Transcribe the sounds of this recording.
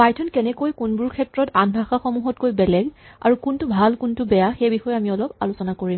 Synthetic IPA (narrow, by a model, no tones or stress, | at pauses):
pajtʰɔnkɛnɛkojkunbʊɹkʰɛtɹɔtanbʱaxaxɔmuɦɔt̚kojbɛlɛɡa̰ɹukuntʊbʱalkuntʊbɛjaxejbixɔjamiɔlɔpa̰lʊsɔnakoɹim